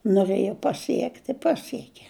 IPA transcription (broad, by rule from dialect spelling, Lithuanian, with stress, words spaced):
nʊˈrɘjɛ pɐˈsʲiɛktʲ ɪ ˈpɑːsʲiɛkʲɛ